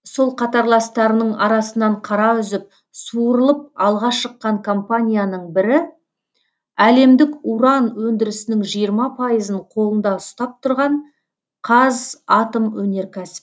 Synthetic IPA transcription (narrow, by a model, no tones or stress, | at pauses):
so̞lˠqʰɑt̪ɑɾlˠɑst̪ɑɾənəɴɑɾɑsənɑɴqʰɑɾɑʏzɪp̚ | suəɾəlˠəp̚ɑlˠʁɑʃəqːɑɴkʰo̞mpanʲijanəɴbɪɾɪ | æle̞md̪ɪkuɾɑnwɵnd̪ɪɾɪsɪnɪŋʒijəɾmɑpʰɑjəzəɴqʰo̞lˠənd̪ɑʊst̪ɑp̚t̪ʰʊɾʁɑɴ | qʰɑzɑt̪əmwɵne̞ɾkʲʰæsɪ̥p